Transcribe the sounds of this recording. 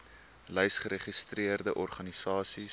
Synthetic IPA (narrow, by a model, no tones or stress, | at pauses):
lɛjsχəɾeχistriərdəʔɔrχɐnisɑːsi